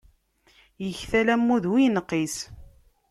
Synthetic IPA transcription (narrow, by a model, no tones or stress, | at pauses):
jəçθælæmːuðwijnəqːis